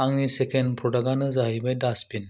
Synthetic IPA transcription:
aŋnisekʰenpʰɔɖaɡanɯzaɦibajdaspin

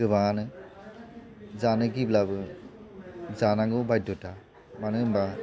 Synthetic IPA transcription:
ɯbanɯ | zanɯɡiblabɯ | zanaŋɡɯwbajdɔta | manɯmba

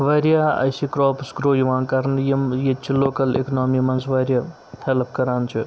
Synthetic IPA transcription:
ʋɐɾjaɐ̰jsikɾɔːpsɡɾoːjuʋaːnkaɾnjemjet͡ʃʰiloːkɐlḛknɔːmimɐnsʋɐɾʲja | helpʰkɐɾaːnt͡ʃʰu

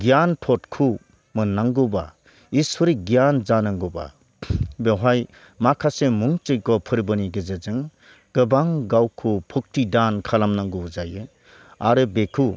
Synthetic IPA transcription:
ɡijanpʰɔtkʰu | mɯnːaŋɡuba̰ | isɔɾiɡijanzanɯŋɡuba̰ | beɦaj | makʰasemuŋt͡ʃɯjkɔpʰɯɾbɯniɡezezɯŋ | ɡ̥ɯbaŋɡawkʰupʰuk̚tʰidankʰalamnaŋɡuuzajɯ | aɾɯbekʰu

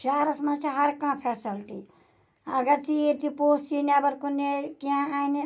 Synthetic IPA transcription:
ʃaːɾɐsmɐnt͡ʃʰiɦɐɾkãːpʰeːsɐlʈḭ | ɐɡɐɾt͡siɾt̪ipoːsinabɐɾkunekiãaini

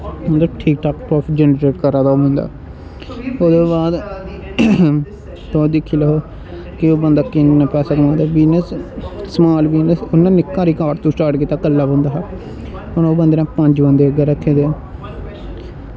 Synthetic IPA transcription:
ʊ̃nd̪aʈʰiːk̚ʈʰaːkpɾɔːpʰd͡ʒɛnɾeːʈkəɾaːd̪aːoːmʊ̃nd̪a̰ː | oːd̪oːbaːd̪ | t̪oːd̪ɪkʰːiːlɛɦoː | kɪoːbənd̪aːkɪ̃nnaːpɛːsaːkmãːnd̪aːbiːnəssəmaːlbiːnəsonːãːnɪkːaːɾiːkaːɾt̪õːsʈaːʈkiːt̪ːaːkəlːaːbə̃nd̪aːɦ | ɦənoːbənd̪eːnãːpə̃ɲd͡ʒbənd̪eːəɡaːɾəkʰːeːd̪eː

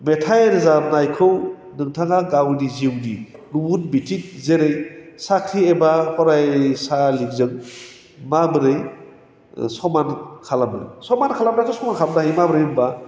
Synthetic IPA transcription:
metʰajɾɯzanajkʰɯw | nɯŋtʰaŋaɡawniziwdiɾubunbitʰik̚zeɾɯjsakʰɾiebahɔɾajsalik̚zɯŋ | mabɯɾɯj | sɔmankʰalam̰jsɔmankʰalabɾatʰɔsɔmankʰalamdaɦijmabɯɾɯjɯmba

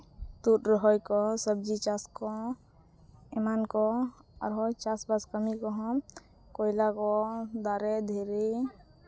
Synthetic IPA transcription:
t̪uʈɾɔɦɔjkɔsəb̚d͡ʒit͡ʃaskɔ | mankɔa̰ɾɦɔjt͡ʃasbaskəmikɔɦɔ̃ | kojlakɔd̪aːɾɛd̪ʱeɾe

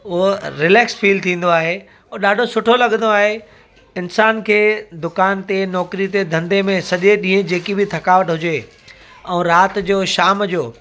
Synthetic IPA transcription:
ʊɦoɾɪlɛːksfiːlt̪ʰĩːn̆d̪oaːɦe | ʊɗaːɖʱosʊʈʰolɐɠə̃nd̪oaːɦe | ɪnsaːnkʰeːd̪ʊkaːnt̪enɔːkɾit̪ed̪ʱɐ̃nd̪emẽsɐʄeɗĩːɦə̃d͡ʑeːkibʱɪt̪ʰɐkaːʋəʈɦʊd͡ʑe | ɛ̃ːɾaːt̪d͡ʑoːʃaːmd͡ʑoː

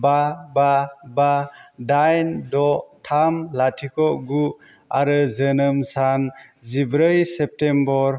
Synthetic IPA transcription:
bababadajndɔtʰamlatʰikʰɔɡu | a̰ɾɯzənɯmsanzibɾəjsep̚tembɔɾ

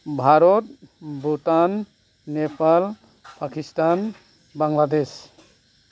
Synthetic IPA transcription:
bʱaɾɔtbutanː | epal | pakistan | baŋlad̪es

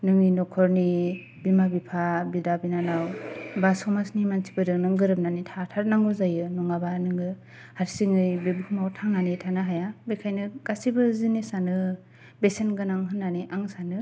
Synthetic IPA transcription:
nɯŋinɔkʰɔɾni | bimabipʰabidabinanawbasɔmasnimansʰi̥bɯdɯnɯŋɡɯɾɯp̚nanitʰatʰaɾnaŋɯzajɯnɔŋabanɯŋɯ | haɾsiŋɯjbebuhmawtʰaŋanitʰanɯɦajabikʰajnɯɡ̥asibɯzinisanɯ | besenɡɯnaŋɦɯnːaniʔaŋsanɯ

